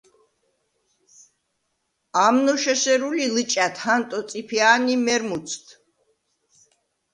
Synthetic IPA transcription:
amnɔʃɛʃɛɾulilɨt͡ʃʼat̪ʰhant̪ʼɔt̪sʼipʰiaːnimɛɾmut̪sʰt̪ʰ

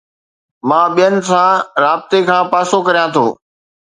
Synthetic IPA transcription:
mãːɓijənɪ̆sãːɾaːbɪt̪ekʰãːpaːsokɐɾijãt̪ʰo̰ː

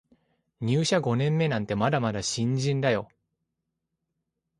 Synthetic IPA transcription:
ɲ̟ɨːɕaɡo̞nẽ̞mːe̞nãnt̪e̞mad̪amad̪aɕĩɲd͡ʑĩnd̪ajo̞̰

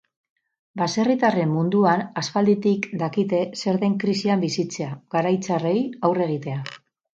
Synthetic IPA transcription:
base̞rit̪are̞mːund̪uanaspald̪it̪ikd̪akit̪e̞se̞ɾðe̞ŋkɾisiambisit͡se̞aɣaɾajt͡sare̞jawre̞ɣ̞it̪e̞a

